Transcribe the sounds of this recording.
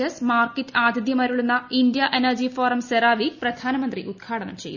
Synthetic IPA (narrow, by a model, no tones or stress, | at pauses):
ɐsmaːrkitːɨaːd̪ʱid̪jɐmaːɾuɭunːɐind̪jɐʔenɐrd͡ʑifoːrɐmseɾaːʋiprɐd̪ʱaːnɐmɐnd̪riʔud̪̚kʰaːɽɐnɐ̰mt͡ɕḛjːu